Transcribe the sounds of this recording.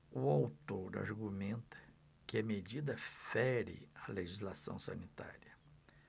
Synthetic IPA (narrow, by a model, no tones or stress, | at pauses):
ʊawt̪oɾa̰ɾɡumẽnt̪ɐ̥ | kɪɐmed͡ʒid̪ɐfɛɾɪ̰ɐleʒizlasɐ̰̃w̃sɐ̰nit̪a̰ɾiɐ